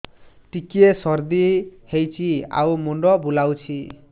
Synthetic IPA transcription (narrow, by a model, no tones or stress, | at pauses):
ʈikiesɔɾd̪ihejt͡ʃʰia̰wmuɳɖɔbulawt͡ʃʰi